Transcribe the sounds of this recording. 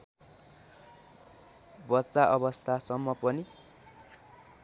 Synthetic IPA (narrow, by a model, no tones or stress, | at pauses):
bʌtːsaʔʌβʌst̪ʰasʌmːʌpʌni